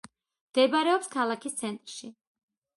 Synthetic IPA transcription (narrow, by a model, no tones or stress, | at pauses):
md̪̥ɛbaɾɛɔpskʰalˠakʰist̪sʰɛnt̪ʼɾʃi